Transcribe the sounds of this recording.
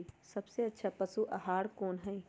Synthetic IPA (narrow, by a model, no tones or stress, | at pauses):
sɐbseɐtːʃʰapɐsuʔɐɦaːɽkoːnɦɛ̃ĩ